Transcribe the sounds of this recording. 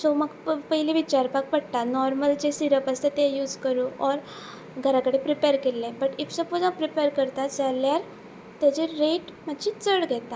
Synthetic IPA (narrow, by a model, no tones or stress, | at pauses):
soməɡpəɦileʋit͡ɕaɾpak̚pəɽt̪anɔɾməld͡ʑesiɾəpast̪et̪ẽjuːd͡zkəɾuɔɾ | ɡʱəɾakəɽepɾipeɾkelːẽbəʈifsəpod͡zãpɾipeɾkəɾt̪at̪d͡zaljaɾ | t̪jat͡ɕeɾeʈmad͡ʑit͡səɽɡʱet̪a